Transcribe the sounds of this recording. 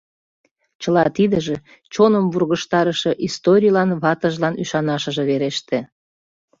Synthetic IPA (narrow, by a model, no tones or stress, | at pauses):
t͡ɕəlɑt̪id̪əʒe̽ | t͡ɕonəmβurɣəʃt̪ɑɾəʃĕʔist̪oɾʲijlɑnβɑt̪əʒlɑnyʃɑnɑʃə̆ʒeβeɾeʃt̪e